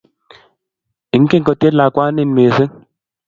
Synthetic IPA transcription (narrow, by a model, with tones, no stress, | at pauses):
ɪ˨˦ŋ˦ke˦ŋkɔ˨te˦tla˨kwa˦nɪ˦˨nme˨sɪ˦ŋ